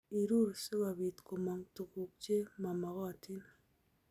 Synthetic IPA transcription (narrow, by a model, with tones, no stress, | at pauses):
i˨ɾu˦˨ɾse˦ba˨bi˨tko˨mɔ˨ŋtu˨ku˨k̚t͡ʃe˦ma˨mɔ˨kɔ˦a˨tʰi˦n˨